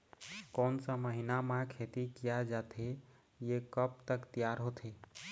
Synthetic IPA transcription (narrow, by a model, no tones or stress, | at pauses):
kɔnsəməɦinamãkʰet̪ikijad͡ʒat̪ʰe | jekəp̚t̪əkt̪ijaɾɦot̪ʰe